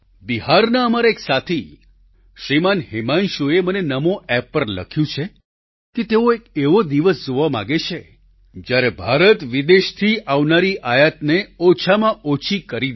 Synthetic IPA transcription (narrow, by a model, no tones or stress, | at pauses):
biɦaɾnaəmaɾaeksat̪ʰi | ʃɾimanɦemanʃoemənenəmõɛpːəɾlə̰kʰjũt͡ʃʰe | ket̪eõekeʋod̪iʋəsd͡ʒoʋamã̰ɡet͡ʃʰe | d͡ʒjaɾebʱaɾət̪ʋid̪eʃt̪ʰiʔaʋnaɾiʔajat̪neɔt͡ʃʰamãʔot͡ʃʰikəɾi